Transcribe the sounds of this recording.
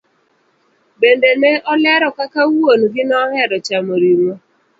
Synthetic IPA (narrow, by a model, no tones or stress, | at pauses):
bendenɛʔɔlɛɾɔkakawonɡɪnɔhɛɾɔt͡ʃamoɾiɾwo